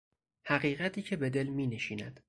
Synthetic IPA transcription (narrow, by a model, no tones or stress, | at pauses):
hæɣiːɣæt̪ʰiːcʰe̞be̞d̪e̞lmiːneʃiːnæd̪̥